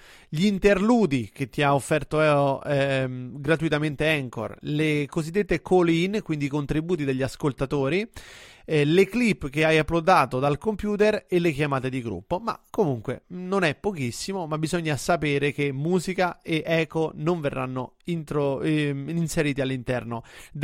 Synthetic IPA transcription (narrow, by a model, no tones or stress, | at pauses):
ʎːnt̪erluːd̪ik̟et̪ːiaofːɛrt̪oɛoɛɡɾat̪uit̪ament̪eɛŋko̰rlekozid̪ːet̪ːekʰolinkwind̪iːkont̪ɾibuːt̪̬id̪eʎːaskolt̪at̪oːɾi | leklipːk̟eajapːlod̪aːt̪od̪alkompjuːt̪erelːekjamaːt̪ed̪iɡɾṵpːoma̰komuŋkwḛnonɛpːokisːimomabːizoɲːasapeːɾek̟emːuːzikaeʔɛːkonoɱverːʔa̰nːoint̪ɾo | inseɾiːt̪ialːint̪ɛrnod̪